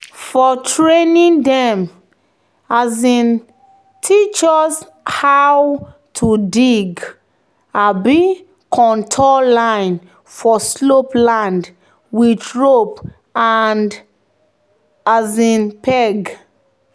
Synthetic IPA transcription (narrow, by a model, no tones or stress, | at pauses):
fɔtɹenĩndɛ̃m | azĩn | tʰit͡ʃɔs | hawtʰudiɡ | abi | kʰɔ̃ntʰɔlãɪ̃n | fɔsloplãnd | witɹop | and | azĩnpɛɡ